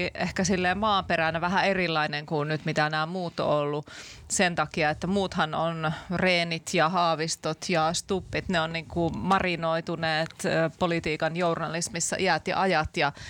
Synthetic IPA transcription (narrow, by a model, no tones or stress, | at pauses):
ʔehkæsilːeːmmɑːmperænæʋæɦæerilːɑineŋkunnyt̪mit̪ænæːmuːt̪ːo̰olːu | sent̪ɑkiɑet̪ːæmuːt̪hɑnonreːnit̪jɑhɑːʋist̪ot̪ʰjɑst̪upːit̪neonniːŋkumɑrinoit̪uneːt̪ːpolit̪iːkɑnjournɑlismisːɑ̰ʔiæt̪jɑ̰ʔɑjɑt̪jɑ